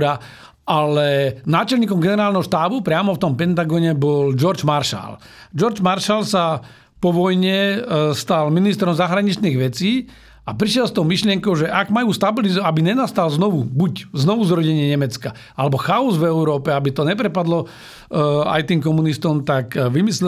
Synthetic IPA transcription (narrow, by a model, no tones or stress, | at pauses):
ɾa | alɛnaːt͡ʃɛlɲiːkɔmɡɛnɛɾaːlnɛɦɔʃt̪aːbupɾɪamɔft̪ɔmpɛnt̪aɡɔɲɛbɔld͡ʒɔɾd͡ʒmaɾʃa̰l | d͡ʒɔɾd͡ʒmaɾʃalsa | pɔʋɔjɲɛst̪alminist̪ɾɔmzaɦɾaɲit͡ʃniːɣʋɛt͡siː | apɾiʃɪɛlst̪ɔʊmiʃlɪɛŋkɔʊʒɛʔaɡmajuːst̪abilizabiɲɛnast̪alznɔʋubucznɔʋuzɾɔɟɛɲɪɛɲɛmɛt͡ska | alɛbɔxaɔzvɛuɾɔːpɛabit̪ɔɲɛpɾɛpad̪lɔ | a̰jt̪iːŋk̬ɔmunist̪ɔmt̪akʋimislɛ